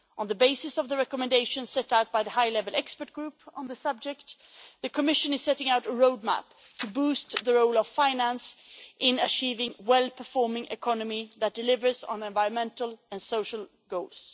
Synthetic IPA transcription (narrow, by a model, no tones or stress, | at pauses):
ʔə̃nðəbeɪsɨsʌvðəɹɛkəmɨ̃ndeɪʃɨ̃n̥sɛɾaʊt̚b̥aɪðɨhaɪlɛvl̩ˠɛkspə˞t̚ɡ̥ɹʉpə̃nðɨsʌb̚d͡ʒɛk̚t̪ | ðɨkʰɨmɪʃɨ̃nɨz̥sɛɾɪ̃ŋaʊɾəɹoʊd̚mæ̰p | tʰɨbust̪ðɨɹoʊlʌv̥fãɪ̃næ̃nsʔɪ̃nɨt͡ʃʰivɪ̃ŋwɛlˠpʰə˞fɔɹmɪ̃ŋʔɨ̰kʰɑnəmiðɨt̚d̥ɨlɪvə˞zn̩ɛ̃ɱvaɪɹə̃nmɛ̃ntl̩ˠɨ̃nsoʊʃəl̩ˠ | ɡoʊlˠz̥